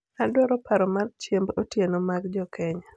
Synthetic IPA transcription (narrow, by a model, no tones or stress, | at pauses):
adwɔɾɔpʰaɾɔmart͡ʃembotjenomaɡd͡ʒɔkʰɛɲa